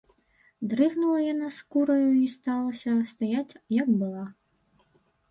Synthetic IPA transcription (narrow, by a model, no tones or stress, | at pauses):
d̪ɾɨɣnulˠɐjanaskuɾɐjuist̪alˠɐsʲɐst̪ajat͡sʲjɐkbɨlˠa